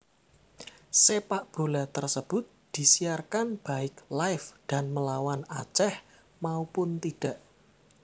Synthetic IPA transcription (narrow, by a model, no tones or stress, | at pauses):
sepaʔb̥o̤lat̪ərsəb̥ʊt̪̚d̪̥i̤sijarkanb̥a̤ɪklaɪfd̥a̤nməlawana̰t͡ʃɛh | maupʊnt̪iɖ̥a̤ʔ